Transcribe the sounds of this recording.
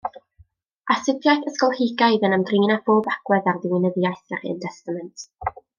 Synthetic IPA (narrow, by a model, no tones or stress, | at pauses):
asɪpʰjajθəskɔlˠhɪɡajðənəmdriːnab̥ʰoːbaɡ̥wɛðarðɪwɪnəðjajθɛɾiə̰ntʰɛstamɛntʰ